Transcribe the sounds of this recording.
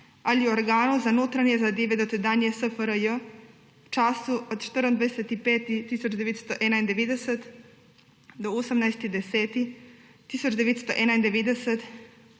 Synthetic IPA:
alioɾɡaːnuzanoːt̪ɾaɲɛzad̪eːʋed̪ot̪ed̪aːnjɛsəfəɾəjə | wt͡ʃaːsuot̪t͡ʃt̪əɾənd̪ʋajset̪ipɛːt̪it̪isot͡ʃd̪eʋeːt̪st̪oʔɛnaind̪eʋeːd̪ɛsɛt̪ | d̪oosəmnajst̪id̪ɛsɛːt̪i | t̪iːsot͡ʃd̪eʋeːt̪st̪oʔɛnaind̪eʋed̪ɛsɛt̪

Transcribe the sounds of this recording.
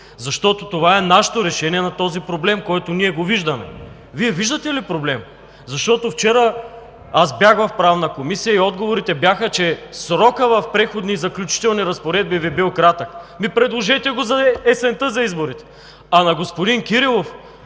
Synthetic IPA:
zɐʃt̪ɔt̪ot̪ovaɛnaʃe̥t̪oɾɛʃɛniɛnɐt̪ɔzipɾoblɛmkɔjt̪oniɛɡoviʒd̪ɐmɛ̰ | viɛviʒd̪ət̪ɛlipɾoblɛm | zɐʃt̪ɔt̪oft͡ʃɛɾə | asbjaxvɐfpɾavnɐkomisijəiɔd̪ɡovoɾit̪ɛbjaxət͡ʃɛsɾɔkəvɐfpɾɛxod̪nizɐklʲut͡ʃi̥t̪ɛlˠniɾɐspoɾɛd̪̚bivibilˠkɾat̪əkmipɾɛd̪lˠoʒɛt̪ɛɡozɐɛsɛnt̪əzɐizboɾit̪ɛ̥ | ɐnɐɡospod̪inkiɾilˠof

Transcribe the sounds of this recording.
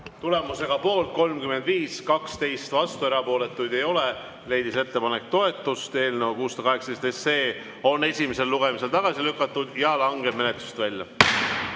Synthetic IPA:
t̪ule̞muse̞ɡ̥ɑpo̞ːlt̪̚ko̞lmkyme̞nd̪viːskɑkst̪e̞jst̪vɑst̪ueɾɑpo̞ːle̞t̪ːˑujd̪̥e̞jo̞le̞ | le̞jd̪ise̞t̪ːe̞pɑne̞k̚t̪o̞e̞t̪ːˑust̪e̞ːlne̞wkuːst̪ɑkɑɦeksɑd̪est̪est̪ːeː | o̞ne̞sʲimese̞lːuɡ̥e̞mis̬e̞lt̪ɑɡ̥ɑsilykːˑɑt̪ːˑud̪̥jɑlɑŋɡe̞bme̞ne̞t̪lu̥st̪vælʲjɑ̰

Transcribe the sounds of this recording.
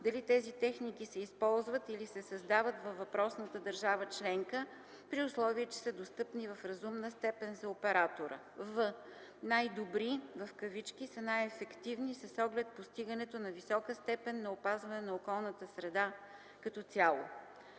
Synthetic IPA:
d̪ɐlit̪ɛzit̪ɛxnikisɛispɔlˠzvət̪ilisɛsɐzd̪avət̪vɐvːɐpɾɔsnət̪əd̪əɾʒavət͡ʃlɛŋkə | pɾiʊslˠɔviət͡ʃɛ̥səd̪ost̪ɤpnivɐfɾɐzumnəst̪ɛpɛnzɐopɛɾat̪oɾə̰ | vɤ | najd̪obɾivɐfkəvit͡ʃk̟isənajɛfɛkt̪ivnisɐsɔɡlɛt̪̚post̪iɡənɛt̪onɐvisɔkəst̪ɛpɛnːɐopazvɐnɛnɐokɔlˠnət̪əsɾɛd̪a | kɐt̪ɔsʲjalˠo̰

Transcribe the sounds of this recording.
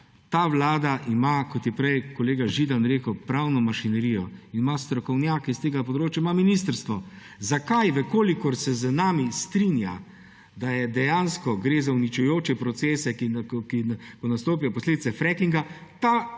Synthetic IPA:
t̪aːʋlaːd̪aʔimakɔt̪jɛpɾɛjkɔleːɡaʒid̪anɾeːkəwpɾawnɔmaʃinɛɾijɔinimast̪ɾɔkɔwnjaːkɛst̪eːɡapɔd̪ɾoːt͡ʃjaimaminist̪əɾst̪ʋɔ | zakajʋəkoːlikɔɾsɛzənaːmist̪ɾinja̰ | d̪ajɛd̪ɛjanskɔɡɾeːzaunit͡ʃujoːt͡ʃɛpɾɔt̪seːsɛkkikɔnast̪oːpijɔpɔsleːd̪it̪sɛfɾɛkiŋɡa | t̪a

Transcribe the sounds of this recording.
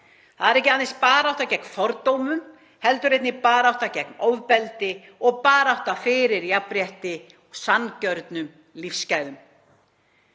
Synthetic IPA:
θaðɛɾɛhcɪaðɪnspaːɾawht̪acɛk̚n̥fɔɾt̪owmʏm | hɛlt̪ʏɾejt̪nɪpaːɾawht̪acɛknoːwðpɛlt̪ɪ | ɔɣpaːɾawht̪afɪɾɪɾjapɾjɛht̪ɪ | sancœɾt̪nʏm | lifscajðʏm

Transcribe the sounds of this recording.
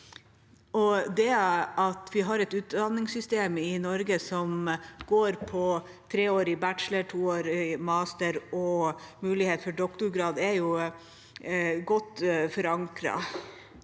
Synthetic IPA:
ʔɔd̪ɛɑt̪ʋɪɦɑɾɛt̪ʉːt̪d̪ɑnːɪŋsʏst̪eːmɪnɔɾɡəsɔmɡ̥oːɾpʰɔ | t̪ʰɾeːoːɾɪbæʈʃləʈʰuːoːɾɪmɑst̪əɾɔmʉːlɪheːt̪fɔɖɔkt̪ʊɾɡɾɑːd̪ɛɾjʊ | ɡɔt̪ːfɔɾɑŋkɾɑ̰

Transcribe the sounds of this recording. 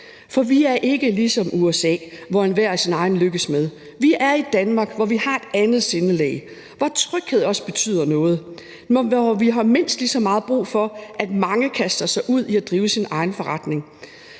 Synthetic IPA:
fɒ̽ʋiæɐʔe̝ɡ̥əlisɒ̽muesɛ̰ːʋɒenʋæɐ̰æsinɑ̈ɪn̩løɡ̥əsmeðˠ | ʋiʔæɐid̥ænmɑ̈ːɡ̥ʋɒʋihɑ̈e̝d̥ænð̞̩ˠse̝nəlɛ̰ɪ | ʋɒt͡sʰʁœɡ̥heð̰ˠɒ̽sb̥e̝t͡sʰy̰ːð̰ˠɐnɔ̽ːð̞̩ˠ | ɒʋiɦɑ̈me̝n̰sd̥lisɒ̽mɑ̈ːð̞̩ˠb̥ʁṵːfɒ̽ʔæd̥mɑ̈ŋəkʰæsd̥ɐsɑ̈ɪʔuð̞̰ˠiæd̥ʁiːʊsinɑ̈ɪn̩fɒ̽ʁɑ̈d̥ne̝ŋ

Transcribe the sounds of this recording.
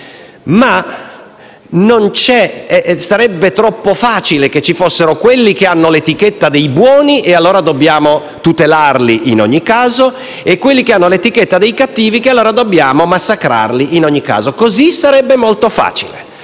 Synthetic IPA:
ma | nont͡ʃɛsaɾɛbːet̪ɾɔpːofaːt͡ʃileket͡ʃːifosːeɾokwelːik̟eanːolet̪iket̪ːad̪ejbwɔːniʔealːoːɾad̪obːjaːmo | t̪ut̪elarliʔinɔ̰ɲːikːaːzo | ekːwelːikeanːolet̪iket̪ːad̪ejkat̪ːiːvikealːoːɾad̪obːjaːmomasːakɾa̰rliʔinoɲːikːa̰ːzokozisaɾɛbːemolt̪ofa̰ːt͡ʃilḛ

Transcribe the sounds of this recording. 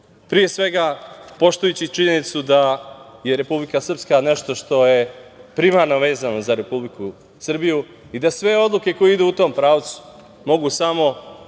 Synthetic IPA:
pɾije̞sʋe̞ɡapo̞ʃt̪ujut͡ɕit͡ʃiɲe̞nit̪sud̪aje̞ɾe̞publikasr̩pskane̞ʃt̪o̞ʃt̪o̞je̞pɾimaɾno̞ʋe̞ːzano̞zaɾe̞publiku | sr̩biju | id̪asʋe̞o̞d̪lˠuke̞ko̞jeid̪uut̪o̞ːmpɾaːʋt̪su̥ | mo̞ɡusamo̞

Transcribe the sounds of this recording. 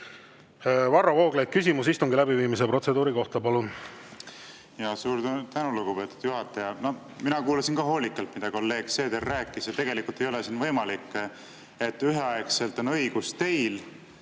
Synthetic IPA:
vɑrːɑvoːɡ̥lejk̪̚kys̬ʲimus̬ist̪uŋɡilæbiviːmis̬epro̞t̪se̞d̪uːɾiko̞ht̪ɑpɑlun | jɑːsuːɾt̪ænuluɡ̥upe̞t̪ːˑud̪̥juɦɑt̪ːˑɑjɑno | minɑkuːlɑsinkɑɦo̞ːlʲikːˑɑlt̪mid̪ɑko̞lːe̞ːɡ̥se̞ːd̪erːæːkːˑisjɑt̪e̞ɡ̥e̞likult̪e̞jo̞lesiːnvɤjmɑlikːˑ | e̞t̪ːyɦeɑekse̞lt̪ˑo̞nɤjɡ̥ust̪e̞jl

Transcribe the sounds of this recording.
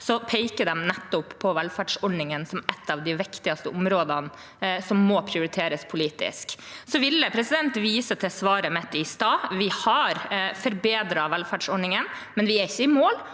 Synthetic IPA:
sɔpʰɛɪkəd̪ɛmnɛt̪ːʊpʰːɔʋɛlfæːɖʂɔɖɳnɪŋənsɔmɛt̪ʰːɑːʋd̪ɪʋɪkt̪ɪɑst̪əʔʊmɾoːd̪ɑn | sɔmːoːpʰɾɪʊɾɪt̪ʰeːɾəspʰʊliːt̪ɪ̰sksɔʋɪlːəpʰɾɛsɪd̪ɛnt̪ʋiːsət̪ʰɛsʋɑːɾəmɛt̪ːɪst̪ɑːʋɪhɑɾfɔɾbeːd̪ɾɑʋɛlfæɖʂɔɖɳɪŋən | mɛnʋɪɛɾɪçːəɪmoːl

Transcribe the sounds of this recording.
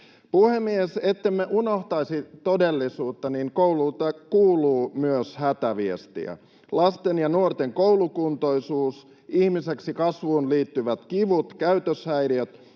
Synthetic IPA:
puhemːieset̪ːemːeʔunoht̪ɑisit̪odelːisuːt̪ːɑniŋkouluːt̪ːɑkuːluːmyøshæt̪æʋiest̪ḭæ̰ | lɑst̪enjɑnuort̪eŋkowlukunt̪oisuːs | ihmiseksikɑsʋuːnliːt̪ːyʋæt̪kiʋut̪kæyt̪øshæjɾiøt̪

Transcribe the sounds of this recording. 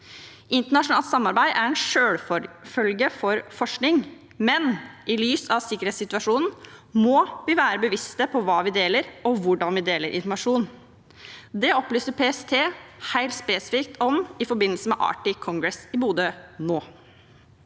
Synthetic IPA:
ʔɪnt̪əɳɑʂʊnɑːlt̪sɑmːɑɾbæɪʔæɾɛnʂøːɽfœlɡəfɔɾfɔʂknɪŋ | mɛnʔɪlyːsɑʋsɪkːəɾheːt̪sɪt̪ʉɑʂuːnn̩mɔʋɪʋæːɾəbəʋɪst̪əpʰɔʋɑːʋɪd̪eːləɾɔʋʊɖɑnʋɪd̪eːləɾʔɪ̰nfɔɾmɑʂuːn | d̪ɛɔplyːsəɾpʰeːɛst̪ʰeːhæɪlt̪speːsɪ̥fɪk̚t̪ɔmɪfɔɾbɪnːlsəmɛʔɑ̰ːʈɪkʰɔŋɡɾɛsɪbuːd̪ənoː

